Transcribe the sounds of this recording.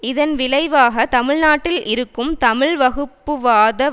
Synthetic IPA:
ɪðɐnʋɪlɐɪʋaːɣɐt̪ɐmɪɻnaːʈːɪlʔɪɾɯkːɯmt̪ɐmɪɭʋɐɣɯpːɯʋaːðɐ

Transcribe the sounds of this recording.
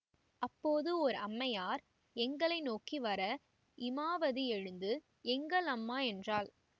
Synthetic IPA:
ɐpːoːðɯɔɾɐmːɐjaːɾ | ɛŋɡɐɭɐɪnoːkiʋɐɾɐ | ʔɪmaːʋɐðiɛɻɯnd̪ɯ | ɛŋɡɐɭɐmːaːɛndraːl

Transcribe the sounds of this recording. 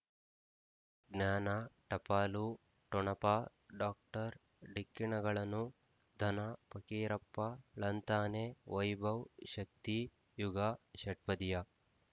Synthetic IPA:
ɡnaːnɐʈɐpaːlu | ʈɔɳɐpa | ɖaːk̚ʈɐɾ | ɖikːiɳɐɡɐɭɐnːu | d̪ʱɐnɐpɐkiːɾɐpːɐɭɐnt̪aːneʋɐjbɐwʃɐk̚t̪i | juɡɐʃɐʈ̚pɐd̪ijɐ

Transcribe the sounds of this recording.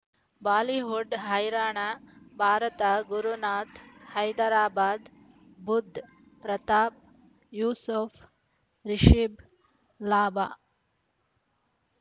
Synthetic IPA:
baːliɦuɖɦɐjɾaːɳabʱaːɾɐt̪ɐɡuɾunaːt̪hɐjd̪ɐɾaːbaːd̪ | bud̪ʱ | ɾɐt̪aːp̚ | juːsufʰ | ɾiʃib | laːbaː

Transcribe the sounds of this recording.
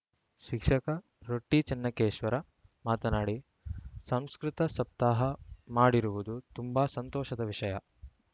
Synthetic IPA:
ʃikʂɐkɐ | ɾoʈːit͡ʃɐnːɐkeːʃʋɐɾɐ | maːt̪ɐnaːɽi | sɐmskɾit̪ɐsɐp̚t̪aːɦɐmaːɽiɾuʋud̪ut̪umbasɐnt̪ɔːʃɐd̪ɐʋiʂɐjɐ

